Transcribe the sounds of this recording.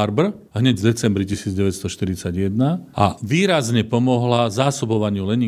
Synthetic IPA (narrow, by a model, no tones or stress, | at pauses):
aɾbr̩ | ɦɲɛɟvd̪ɛt͡sɛmbɾicisiːd͡zɟɛʋɛt̪st̪ɔʃt̪iɾit͡saɟjɛd̪naa̰ʋiːɾazɲɛpɔmɔɦlazaːsɔbɔʋaɲɪulɛɲi